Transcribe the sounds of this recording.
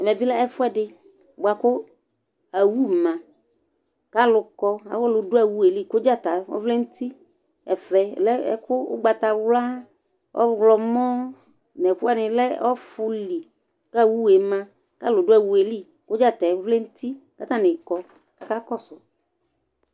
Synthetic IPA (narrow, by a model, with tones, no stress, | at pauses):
ɛ˨mɛ̃˨bi˦lɛ˦ɛ˦fʊ˦ɛ˦ɖɪ˦ | bo˨a˨kʊ˦ | a˨wu˦mã˨ | ka˦lʊ˨kɔ˦a̰˨wɔ˦lʊ˨dʊ˦a˨wu˦e˨li˦ko˦d͡ʒa˦˨t̪a˨ɔ̰˦vle˦ŋu˦t̪i˦ | ɛ˨fɛ˨lɛ˦ɛ̰˦kʊ˦ʊ̰˦ɡ͡ba˨t̪a˨wla˦ | ʔɔ̰˦ɡlɔ˨mɔ̃˦ | nɛ˨ku˦a˦˨nɪ̃˨lɛ˦ɔ˦fʊ˦li˨ | ka˦wu˦˨e˨mã˦ | ka˦lʊ˨do˦a˨wu˨e˨li˦ | ko˦d͡ʒa˦t̪a˨˦vle˦ŋu˦t̪i˦ka˦t̪a˦nɪ̃˨kɔ˨ | ka˦ka˦kɔ˦sʊ˨